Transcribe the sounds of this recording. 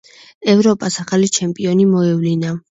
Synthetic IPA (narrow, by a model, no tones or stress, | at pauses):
ɛvɾɔpʼasaχalit͡ʃʰɛmpʼiɔnimɔɛvlina